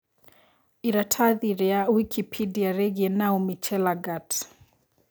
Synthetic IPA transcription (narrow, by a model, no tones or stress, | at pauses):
iɾatʰaðiɾɛawikʰipʰidiaɾɛɡɛnaumit͡ʃɛlaɡat